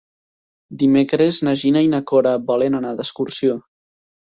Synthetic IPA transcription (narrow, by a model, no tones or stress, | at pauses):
d̪imekɾeznaʒinainakoɾabɔlenanad̪əskuɾsio